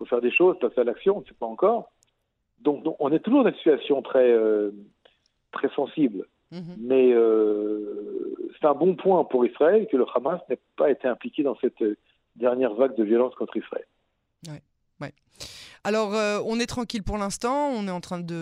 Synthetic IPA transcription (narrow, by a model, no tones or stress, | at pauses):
fofɛʁd̪eʃozpasealaksjɔ̃ɔ̃nsɛ̥paɑ̃kɔːʁ | d̪ɔ̃knɔ̃ʔɔ̃nɛt̪uʒuʁd̪ɑynsit̪yasjɔ̃t̪χɛø | t̪χɛsɑ̃sibl | mɛø | sɛ̥t̪ɛ̃bɔ̃pwɛ̃puʁisχaɛlkələχamasnɛpaet̪eɛ̃plikʲed̪ɑ̃sɛt̪ø | d̪ɛʁnjɛʁvaɡ̚d̪əvjɔlɑ̃skɔ̃t̪χisχa̰ɛ̰l | wɛ | wɛ | alɔʁøɔ̃nɛt̪χɑ̃kʲilpuʁlɛ̃st̪ɑ̃ɔ̃nɛɑ̃t̪χɛ̃d̪ə